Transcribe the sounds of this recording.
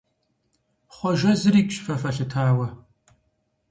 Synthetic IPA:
χʷɔʒɐzɨɾiːkʼɕfɐfɐɬɨtʰaːwɐ

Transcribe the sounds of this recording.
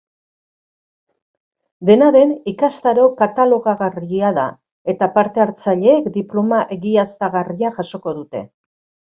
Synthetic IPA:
d̪e̞naðe̞nikast̪aɾo̞kat̪alo̞ɣaɣariaða̰ | e̞t̪apaɾt̪e̞aɾt͡saʎe̞ːkd̪iplo̞maʔe̞ɣiast̪aɣariaʝaso̞ko̞ðut̪e̞̰

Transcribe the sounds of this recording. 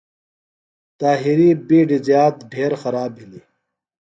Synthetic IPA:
t̪aːɦiɾibiːɖizjaːt̪ɖʱeːɾxɐɾaːbɦili

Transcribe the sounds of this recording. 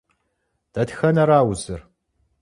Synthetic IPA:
d̥ɐtxɐnɐɾaːwzɨr

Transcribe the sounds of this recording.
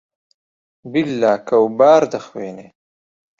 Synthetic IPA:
bɪlːaːkawbɑːɾd̪əxweːne

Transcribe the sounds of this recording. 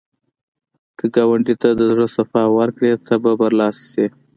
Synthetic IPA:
kəɡɑwaɳʈit̪ad̪əzʐəsafɑwəɾkɽet̪ʰababaɾlɑsi̥se

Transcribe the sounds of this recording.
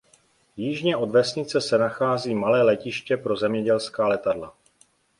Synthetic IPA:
jiʒɲɛʔo̞dvɛsɲɪt͡sɛsɛnaxaːziːmalɛːlɛcɪʃcɛpɾo̞zɛmɲɛɟɛlskaːlɛt̪adla

